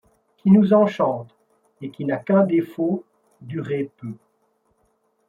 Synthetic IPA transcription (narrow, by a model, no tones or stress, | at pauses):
kʰʲinuzɑ̃ʃɑ̃ːt̪ | ekʲinakɛ̃d̪efo | d̪yʁepø